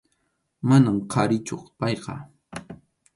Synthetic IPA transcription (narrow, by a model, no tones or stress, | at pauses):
manamqʰɑɾɪt͡ʃoχpɑjqɑ̰